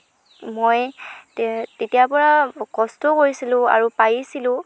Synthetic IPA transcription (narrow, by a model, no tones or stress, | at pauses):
moj | tetijapɔɹakɔstɔkoɹisilʊ̃a̰ɹupajisilʊ̃